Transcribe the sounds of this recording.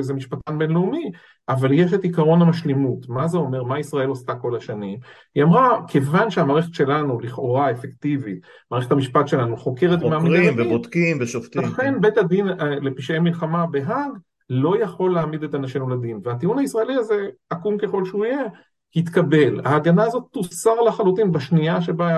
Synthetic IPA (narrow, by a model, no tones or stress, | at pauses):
ezemiʃpat̪anbe̞nleumi | ʔavaljeʃet̪ikaʁo̞namaʃlemutmazeo̞me̞ʁmaisʁae̞lost̪ako̞laʃanim | iamʁakʰevanʃeamaːʁeχet̪ʃe̞lanuliχo̞ʁaefekt̪ivit̪̚ | maːʁeχet̪amiʃpatʃe̞lanuχo̞ke̞ʁet̪meamid̪aavebot̪kimveʃoft̪ilaχenbet̪ad̪inle̞piʃemilχamabe̞ɦaɡ | lo̞jaχo̞lːeamid̪et̪anaʃemulad̪inveat̪iunaisʁaeliaze̞akumke̞χo̞lʃeuije̞ | hit̪kabe̞la̰ːɡanaːzo̞t̪ːusaʁlaχalutinbaʃniaʃe̞ba